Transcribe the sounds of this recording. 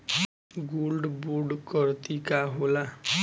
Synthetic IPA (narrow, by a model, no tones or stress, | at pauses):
ɡulɖbuɖkʌɾt̪ikaɦola